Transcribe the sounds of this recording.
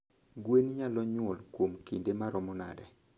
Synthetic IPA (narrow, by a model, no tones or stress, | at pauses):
ɡwenɲalɔɲwɔlkwomkindemaɾɔmɔna̰dɛ